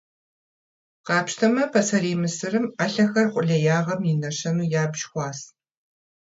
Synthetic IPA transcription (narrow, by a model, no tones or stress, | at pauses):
qɑːpʃtʰɐmɐpʰɐsɐɾiːmɨsɨrɨmaɬɐxɐrχʷʼʊɮɐjaːʁɐminɐʃɐnuːjaːbʒxʷɑːs